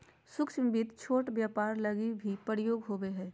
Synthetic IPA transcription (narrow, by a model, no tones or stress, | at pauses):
sʊkʃə̃mbit̪t͡ʃʰoːʈbjaːpaːɾlɐɡibʱipəɾɪjoːɡɦoːbeɦɛ̃ː